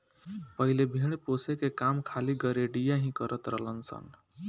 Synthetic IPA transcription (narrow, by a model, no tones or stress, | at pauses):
pəɦilebʱiɽ̃posekekamkʰaliɡəɾeɖijaɦĩkəɾət̪ɾəɦlənsə̰n